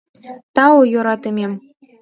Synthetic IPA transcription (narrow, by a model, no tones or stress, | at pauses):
t̪ɑwojoɾɑt̪ɨmʲem